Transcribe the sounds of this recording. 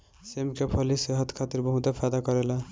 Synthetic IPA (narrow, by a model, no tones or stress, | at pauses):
semkepʰoliseɦʌt̪kʰat̪iɾbʌɦũt̪apʰad̪akʌɾela